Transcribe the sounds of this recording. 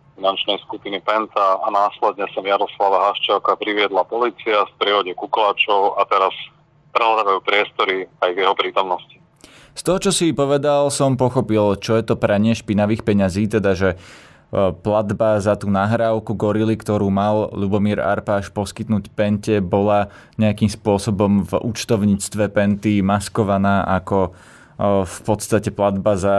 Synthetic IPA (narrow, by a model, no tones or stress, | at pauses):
finant͡ʃnɛjskupinipɛnt̪aːnaːslɛd̪ɲɛsamjaɾɔslaʋaɦaʃt͡ʃakapɾiʋɪɛd̪lapɔliːt͡siafpɾɪɛʋɔɟɛkuklaːt͡ʃɔʊat̪ɛɾas | pɾɛɦlad̪aːʋajuːpɾɪɛst̪ɔɾiajvjɛɦɔpɾiːt̪ɔmnɔsci̥ | st̪ɔɦɔt͡ʃɔsipɔʋɛd̪alsɔmpɔxɔpilt͡ʃɔjɛt̪ɔpɾɛɲɪɛʃpinaʋiːxpɛɲaziːt̪ɛd̪aʒɛ | plad̪bazat̪uːnaːɦɾaːʊkuɡɔɾilikt̪ɔɾuːmalʎubɔmiːɾa̰ɾpaːʃpɔskit̪nuːcpɛncɛbɔla | ɲɛakiːmspʊɔsɔbɔmvṵt͡ʃt̪ɔʊɲiːt͡st̪ʋɛpɛnt̪imaskɔʋanaːʔakɔ | fpɔt̪st̪acɛplad̪baza